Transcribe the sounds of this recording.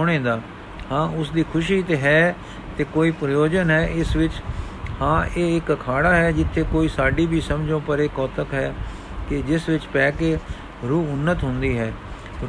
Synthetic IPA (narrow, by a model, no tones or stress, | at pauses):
oɽ̃ẽːd̪aː | hãːʊsd̪iːkʰʊʃiːt̪eːɦɛː | t̪eːkoːiːpɾəjoːd͡ʒənɦɛːʔɪsʋɪt͡ʃhãːʔeːɪkkʰaːɽaːɦɛːd͡ʒɪt̪ʰːeːkoːiːsaːɖiːbʱiːsəmd͡ʒõːpəɾekɔːt̪əkɦɛː | kɪd͡ʒɪsʋɪt͡ʃpɛːkeː | ɾuːʊnːət̪ɦʊnd̪iːɦɛː